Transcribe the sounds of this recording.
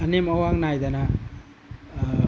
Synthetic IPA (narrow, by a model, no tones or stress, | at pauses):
ɐnemɐwaŋnajd̪ana